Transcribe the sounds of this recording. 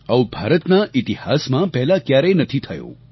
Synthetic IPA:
aũbʱaɾət̪naʔit̪ihasmãpɛɦlakjaɾenət̪ʰit̪ʰəjõ̰

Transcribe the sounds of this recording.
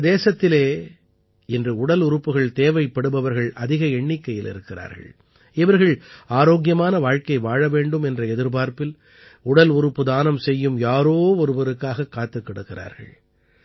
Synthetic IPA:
d̪eːsɐt̪ːɪleː | ɪndrɯʊɽɐlʊɾɯpːɯɣɐɭt̪eːʋɐɪpːɐɽɯbɐʋɐɾɣɐɭʔɐðɪɣɐɛɳːɪkːɐjɪlɪ̰ɾɯkːɪra̰ːɾɣɐ̰ɭ | ɪʋɐɾɣɐɭaːɾoːɣjɐmaːnɐʋaːɻkɐɪʋaːɻɐʋeːɳɖɯmɛndrɐɛðɪɾbaːɾpɪl | ʊɽɐlʊɾɯpːɯðaːnɐmsɛjːɯmjaːɾoːɔɾɯbɐɾɯkːaːɣɐkːaːt̪ːɯkːɐɽɯkːɪra̰ːɾɣɐ̰ɭ

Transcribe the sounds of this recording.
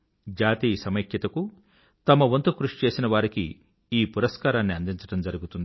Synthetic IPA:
d͡ʒaːt̪iːsɐmɐkjɐt̪ɐku | t̪ɐmɐʋont̪ukɾuʂt͡ʃe̞ːsinɐʋaːɾiki | iːpuɾɐskaːɾaːnːiɐnd̪iɲt͡ʃɐ̥ʈɐmd͡ʒɐɾuɡut̪und̪i

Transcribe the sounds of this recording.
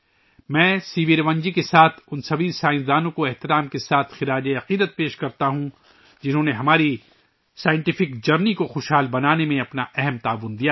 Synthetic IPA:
mɛ̃ːsiːʋiɾʋɐ̃ɲd͡ʒikesaːt̪ʰʊnsɐbʱisaːɪ̃sd̪aːnõkoɛɦt̪ɪɾaːmkesaːt̪ʰxɪɾaːd͡ʒeɐqiːd̪ət̪̚peːʃkɐɾt̪aɦũ | d͡ʒɪnɦõːneɦɐmaːɾi | saːjɪ̃ɳʈɪfɪkd͡ʒɐɾnikoxʊʃɦaːlbɐnaːnemẽɐpnaʔɛɦɛmt̪aːʋʊnd̪ija

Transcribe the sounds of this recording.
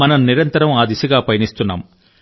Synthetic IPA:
mɐnɐmniɾɐnt̪ɐɾɐmaːd̪isuɡaːpɐjɐnist̪unːa̰ːm

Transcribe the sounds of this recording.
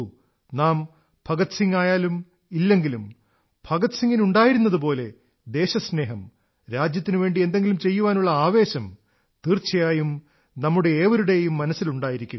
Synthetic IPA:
naːm | bʱɐɡɐt̪siŋːaːjaːlum | ilːe̞ŋɡilum | bʱɐɡɐt̪siŋɡinuɳɖaːjiɾunːɐðup̬o̞ːle̞ | d̪e̞ːɕɐsne̞ːɦɐm | ɾaːd͡ʑjɐt̪ːinuʋe̞ːɳɖie̞nd̪e̞ŋɡilumt͡ɕe̞jːuʋaːnuɭːɐaːʋe̞ːɕɐm | t̪iːrt͡ɕːɐjaːjum | nɐmːuɽeeːʋɐɾuɽe̞jumːɐnɐsːiluɳɖaːjiɾikʲːu

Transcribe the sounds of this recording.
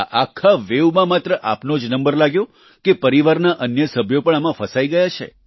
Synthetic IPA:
ʔakʰːaʋeʋmãmat̪ɾəʔapnod͡ʒnəmbəɾlaɡjõ | kepəɾiʋaɾnaʔənjəsəbʱjopəɳ̃amãfəsaiɡəjat͡ʃʰḛ

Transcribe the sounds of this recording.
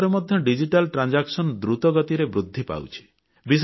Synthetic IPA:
ɾemɔd̪ʱjɔɖid͡ʒiʈalʈɾand͡ʒaksɔnd̪ɾut̪ɔɡɔt̪iɾebɾud̪ʱːipa̰wt͡ʃʰi̥ | bis̬

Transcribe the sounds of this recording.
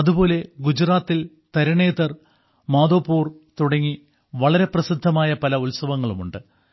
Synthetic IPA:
ɐðupo̞ːle̞ɡud͡ʑraːt̪ːil | t̪ɐɾɐɳe̞ːt̪ːɐr | maːd̪o̞ːpːuːrt̪uɽɐŋːi | ʋɐɭɐɾe̞prɐsid̪ʱːɐmaːjɐpɐlɐulsɐʋɐŋːɐɭumuɳɖɨ

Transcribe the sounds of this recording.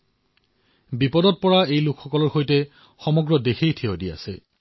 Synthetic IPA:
bipɔdɔt̚pɔɹaejlʊkʰxɔkɔlɔɹxojtɛ | xɔmɔɡɹɔdexejtʰeodia̰sɛ̰

